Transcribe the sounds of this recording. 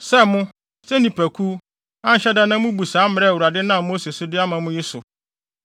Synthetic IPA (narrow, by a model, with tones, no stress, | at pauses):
sɛ˦mʊ̃˦ | sɛ˦nĩ˨pʰæ˨kʰu˦ | a˦n̩˨ɕɛ˦da˦nã˦mʊ̃˦bu˨saː˨˦m˨ɾɛ˦˨wu˨ɾa˨dɪ˦nã˦˨mo˦se˨sʊ˦dɪ˦a˦mã˨mʊ̃˦jɪ˦sʊ˨